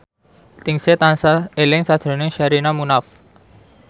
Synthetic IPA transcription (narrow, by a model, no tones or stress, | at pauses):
t̪ɪŋset̪ansaelɪŋsad̥ɾo̤nɪŋʃaɾinamunaf